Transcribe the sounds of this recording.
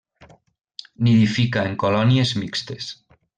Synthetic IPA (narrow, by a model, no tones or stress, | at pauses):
niðifikaeŋkolɔnjezmikst̪es